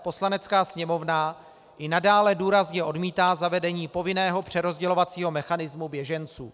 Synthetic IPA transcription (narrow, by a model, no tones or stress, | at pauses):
po̞slanɛt͡skaːsɲɛmo̞vna | ʔɪnadaːlɛduːɾazɲɛʔo̞dmiːt̪aːzavɛdɛɲiːpo̞vɪnɛːɦo̞pr̝̥ɛɾo̞zɟɛlo̞vat͡siːɦo̞mɛxanɪzmubjɛʒɛnt͡sṵː